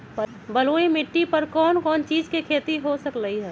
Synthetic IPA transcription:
bɐloːimɪʈːipɐɾkɔːnkɔːnt͡ʃiːd͡ʒkekʰeːt̪iɦosəkɾəɦiɦɛː

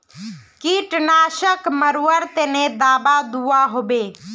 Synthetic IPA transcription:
kiːʈnaːʃəkməɾuːəɾt̪eːnẽd̪aːbad̪uːaɦoːbeː

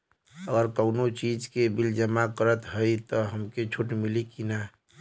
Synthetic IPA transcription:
əɡəɾkəʊnot͡ʃiːd͡ʒkebɪld͡ʒəmakəɾət̪ɦəit̪ɔɦəmket͡ʃʰuʈmilikina

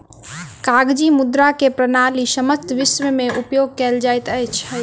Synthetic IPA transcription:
kaɡd͡ʒimud̪ɾakepɾənalisəməst̪ʋɪsʋəmeʔupjoɡ̚kɛld͡ʒajt̪əjt͡ʃʰɦ

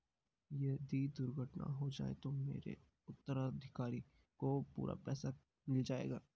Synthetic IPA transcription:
jɛd̪ʱid̪ʊɾɡʱəʈna̰ɦod͡ʒa̰ːḛt̪omeːɾḛ | ʊt̪ːəɾad̪ʱɪkaːɾi | kopṵːɾʔa̰pɛːsa | mɪld͡ʒaːḛːɡaː

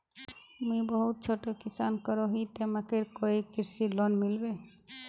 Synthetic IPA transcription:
mĩbɔɦut̪̚t͡ʃʰoʈokisankəɾoɦit̪emãkeɾkoikɪɾsilɔnmilbe

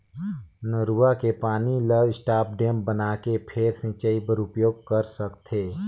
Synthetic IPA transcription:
nəɾuːakepaːniləʋɪsʈaːp̚ɖeːmbənakepʰeːɾsɪ̃t͡ʃəipəɾʊpjoːɡ̚kəɾsəkt̪ʰeː

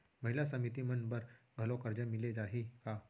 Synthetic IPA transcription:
məɦilasəmit̪imənbəɾ | ɡʱəlokəɾd͡ʑəmiled͡zaɦika

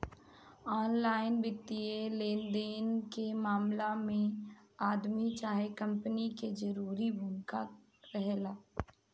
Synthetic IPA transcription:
ɔːnlaːɪnbɪt̪ːieleːnd̪eːnkemaːmlamẽaːd̪mit͡ʃaːɦekə̃mpəniked͡ʒəɾuːɾibʱʊmɪka | ɾəɦeːlaː

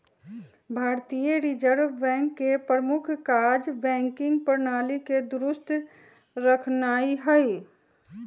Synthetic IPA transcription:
bʱaːɾt̪ijəɾid͡ʒəɾbɛ̃ːŋkːepɾəɾəmʊkʰkaːd͡ʒbɛ̃ːŋkɪ̃ŋɡ̚pəɾnaːliked̪ʊɾʊst̪ | ɾəkʰnaːiɦɛi

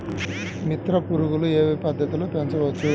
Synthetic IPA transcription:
mit̪ɾɐpuɾuɣulueːʋipɐd̪ʱːɐt̪iloːpeɲt͡ʃɐʋɐt͡ʃːu

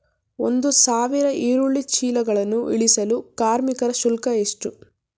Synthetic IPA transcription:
o̰nd̪usaːʋiɾɐʔiːɾuɭːit͡ʃiːlɐɡɐɭɐnːuʔḭɭisɐlukaːɾmikɐɾɐsulkɐeʂʈu

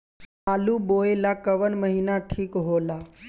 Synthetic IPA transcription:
aluboelakəʋənməɦinaʈʰiːkɦola

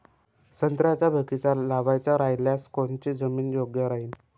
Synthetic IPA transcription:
sənt̪ɾjat͡ɕjabʱəkit͡ɕalaʋajt͡ɕjaɾajljaskoɳt͡ɕid͡zəmiːnjoɡjəɾaɦiːn

